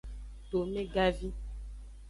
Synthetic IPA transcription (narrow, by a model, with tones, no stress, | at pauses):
ɖo˨mẽ˦ɡa˦vi˦